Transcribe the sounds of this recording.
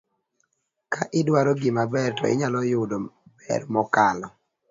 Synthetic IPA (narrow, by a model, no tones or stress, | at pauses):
kaʔɪdwaɾɔɡɪmabɛrtɔ̰ɪ̰ɲalɔjʊdob̥ɛ̰rmɔkalɔ